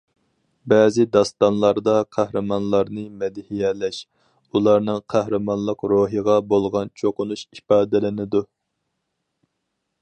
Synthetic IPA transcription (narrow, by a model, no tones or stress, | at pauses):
bɛːzɪd̪ɑst̪ɑnlˠɑɾd̪ɑqʰæhɾɨmɑnlˠɑɾnɨmɛd̪ɪhijɛlɛʃ | ulˠɑɾnɨŋqʰæhɾɨmɑnlˠəqɾoːɦiʁɑbolˠʁɑnt͡ʃʰoqʊnuʃipɑːd̪ɛlɪnɪd̪u